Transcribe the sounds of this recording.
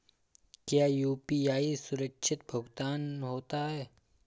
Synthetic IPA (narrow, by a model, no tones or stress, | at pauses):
kjaːjuːpiaːisʊɾəkʃʰɪt̪̚bʱʊɡt̪aːnɦoːt̪aɦɛː